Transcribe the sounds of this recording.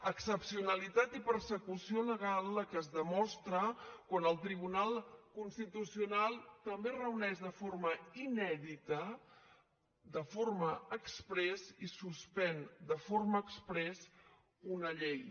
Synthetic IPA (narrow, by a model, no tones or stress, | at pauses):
əksəpsiunəlit̪at̪ipəɾsəkusioləɣ̞alˠːəkəzðəmɔst̪ɾəkwanəlˠt̪ɾiβ̞unalˠkunst̪it̪usiunalˠt̪əmberəunɛʒdəforməinɛðit̪ə | d̪əforməəkspɾɛsisuspɛnd̪əforməːkspɾɛs | unəʎej